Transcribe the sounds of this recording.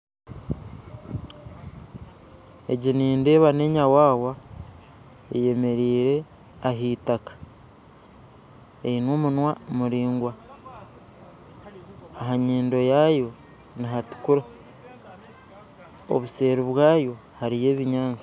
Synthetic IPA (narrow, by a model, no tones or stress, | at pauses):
e̞ɟiniːnde̞ːβane̞ɲawaːwa | eje̞me̞ɾiːɾe̞ | aɦiːtakḁ | einoːmunwamuɾiːŋɡwa | ɦaɲiːndo̞jaːjo̞ | niɦatu̥kuɾa | o̰βuse̞ːɾiβwaːjo̞ | haɾije̞ːβiɲaːnt͡sḁ